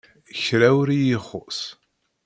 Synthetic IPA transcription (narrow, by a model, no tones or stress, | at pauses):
çɾæwɾijiχːʊ̰s